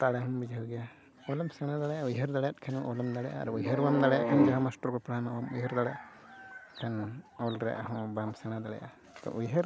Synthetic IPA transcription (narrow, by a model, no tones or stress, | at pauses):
t̪aɽɛɦɔmbid͡ʒʱuɡɛja | ɔlɔmsɛɽ̃ad̪aɽɛjaujɦəɾd̪aɽjat̪̚kʰanuʔɔlɔmd̪aɽɛjʔa̰a̰ɾuujɦəɾwamd̪aɽɛja̰ʔkʰand͡ʒaɦamasʈɔɾkɔpɽanabamujɦəɾd̪aɽaʔ | kʰanɔlɾɛ̰ʔaɦɔ̃bamsɛɽ̃ad̪aɽɛ̰jʔa̰ | t̪ɔ̰ʔujɦəɾ